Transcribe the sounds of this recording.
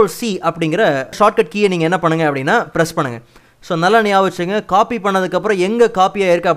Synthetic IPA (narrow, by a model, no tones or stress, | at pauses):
lsiɐpːɐɽɪŋɡɪɾɐʂaːʈ̚kɐʈ̚kiːniːŋɡɐɛnːɐpɐɳːɯŋɡɐɐpːɐɽɪnːaːpɪɾɛspɐɳːɯŋɡɐ | soːnɐlːɐnɪjaːʋɐt͡ʃːɯŋɡɐkaːpipɐɳːɐðɯkːɐp̬ːɯɾɔ̃ɛŋɡɐkaːpijaːɪɾɯkːɐɐp